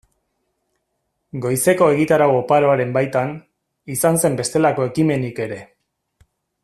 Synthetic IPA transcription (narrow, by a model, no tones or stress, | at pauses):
ɡo̞jse̞ko̞e̞ɣit̪aɾawopaɾo̞aɾe̞mbajt̪an | isanse̞mbe̞st̪e̞lako̞e̞kime̞nike̞ɾe̞